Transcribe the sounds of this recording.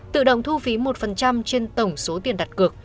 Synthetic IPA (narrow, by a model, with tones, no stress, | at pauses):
t̪ɨ̰˧˨ɗə̰˧˨wŋ͡mt̪ʰu˧fi˨˦mo˨˩t̚fə˨˩nt͡ɕa˧mt͡ɕe˧nt̪ə˧˩wŋ͡mso˨˦t̪i˨˩ənɗa˨˩t̚kɨ˨˩ək̚